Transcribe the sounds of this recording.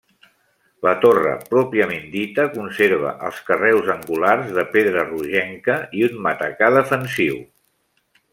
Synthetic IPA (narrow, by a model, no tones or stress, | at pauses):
lət̪orə̰pɾɔpiəmend̪it̪əkunseɾβ̞ə̰ʔə̰lˠskərɛwzəŋɡularzðəpeðɾəruʒɛŋkəiunmət̪əkaðəfənsiw